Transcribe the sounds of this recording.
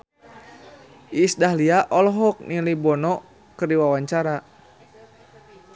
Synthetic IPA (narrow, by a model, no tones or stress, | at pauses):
ʔisdaɦliaʔɔlɔɦɔk̚nilibɔnɔ | kɨrdiwawaɲt͡ʃaɾa